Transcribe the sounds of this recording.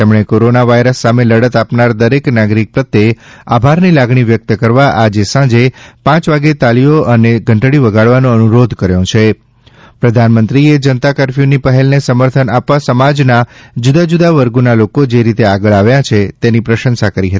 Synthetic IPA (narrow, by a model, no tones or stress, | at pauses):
t̪emɳ̃ekoɾonaʋajɾəsːameləɽət̪apnaɾd̪əɾeknaɡɾik̚pɾət̪ːea̰bʱaɾnilaɡɳiʋjək̚t̪əkəɾʋaʔad͡ʒesãd͡ʒepãt͡ʃʋaɡet̪alioʔəneɡʱəɳʈɽiʋəɡaɭʋanõənuɾod̪ʱkəɾjõt͡ʃʰe | pɾəd̪ʱanmənt̪ɾied͡ʒənət̪akəɾfjonipəɦɛlnesəməɾt̪ʰənapʋasəmad͡ʒnad͡ʒud̪ad͡ʒud̪aʋəɾɡunalokod͡ʒeɾit̪eaɡəɭaʋjãt͡ʃʰet̪enipɾəʃənsakəɾiɦət̪i